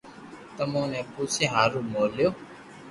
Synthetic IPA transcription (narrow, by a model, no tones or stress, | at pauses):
t̪əmõːnɛ̃ːpuːseːɦaːɾũːmoːljoː